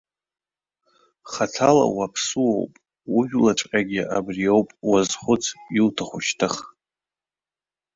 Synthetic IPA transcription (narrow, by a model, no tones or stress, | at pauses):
χatʰala̰wapʰsuwo̰wpʼ | wuʒᶣlaʈ͡ʂʷʼqʲʼaɡʲiʔabrijo̞wpʼwazχʷʊt͡sʰjiltʰaχʷʊʃtʰɨχ